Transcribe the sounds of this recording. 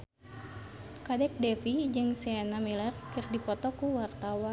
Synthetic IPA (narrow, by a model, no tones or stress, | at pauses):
kadɛk̚dɛfid͡ʒɨŋsɛanamilɛrkɨrdipɔt̪ɔkuwart̪awa